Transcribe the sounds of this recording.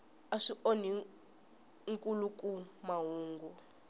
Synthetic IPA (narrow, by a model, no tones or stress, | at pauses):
aʂiʔoni | ŋkʼulukʼumaɦuːŋɡu